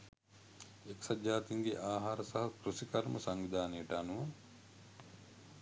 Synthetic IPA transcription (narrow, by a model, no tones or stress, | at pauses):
eksɐd͡ʒːaːt̪iŋɡeʔaːɦaːɾəsɐɦɐkɾusikɐɾməsaŋʋid̪aːnijəʈəanuʋɐ